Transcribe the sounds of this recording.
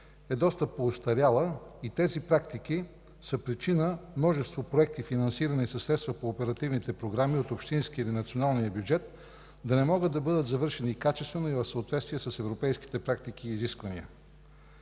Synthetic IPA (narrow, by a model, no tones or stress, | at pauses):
ɛd̪ɔst̪əpːoːst̪ɐɾʲjalˠəit̪ɛzipɾak̚t̪iki | səpɾit͡ʃinəmnɔʒɛst̪vopɾoɛk̚t̪ifinɐnsiɾənisɐsːɾɛt̪st̪vəpoːpɛɾɐt̪ivnit̪ɛpɾoɡɾamiot̪opʃt̪insk̟ʲilinɐt̪sionalˠnijəbjud͡ʒɛt̪̚ | d̪ɐnɛmɔɡəd̪ɐbɤd̪ət̪zɐvɤɾʃɛnikat͡ʃɛst̪vɛnoivɐfsəot̪vɛt̪st̪vijɛsəsɛvɾopɛjski̥t̪ɛpɾak̚t̪ik̟iːziskvəniə